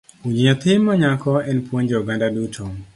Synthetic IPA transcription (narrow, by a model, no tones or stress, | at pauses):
uɲiɔt̪ɪmɔɲakɔɛnpwoɲd͡ʒɔɡandadutʰɔ